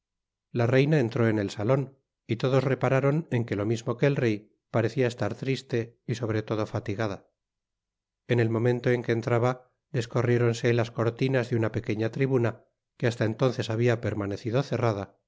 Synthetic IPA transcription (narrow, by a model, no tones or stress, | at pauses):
lare̞jnae̞nt̪ɾo̞e̞ne̞lsalo̞n | it̪o̞ðo̞zre̞paɾaɾo̞ne̞ŋke̞lo̞mizmo̞ke̞ːlre̞j | paɾe̞θiaest̪aɾt̪ɾist̪e̞iso̞βɾe̞t̪o̞ð̞o̞fat̪iɣað̞a | ene̞lmõ̞mẽ̞nt̪o̞e̞ŋke̞ːnt̪ɾaβa | ðe̞sko̞rje̞ɾo̞nse̞lasko̞ɾt̪inazðeunape̞ke̞ɲat̪ɾiβuna | keas̬t̪aent̪o̞nθe̞saβ̞iape̞ɾmane̞θiðoθe̞rað̞a